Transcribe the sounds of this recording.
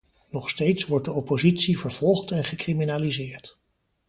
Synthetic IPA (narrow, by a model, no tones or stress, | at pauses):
nɔχstejtsʋɔɹt̚dəɔpozitsivəɹv̥ɔlˠχtɛnχəkriminaːlizɪːɹt